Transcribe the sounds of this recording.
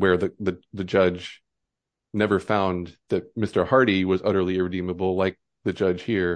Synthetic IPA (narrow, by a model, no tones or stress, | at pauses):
wə˞ðɨðɨðɨd͡ʒʌd͡ʒ | nɛvə˞fãʊ̃nðɨt̚mɪstə˞hɑɹɾiwʌzʌɾə˞lˠiɪɹɨdĩməbl̩ˠlaɪk̚ | ðɨd͡ʒʌ̥ʒ̥hiɹ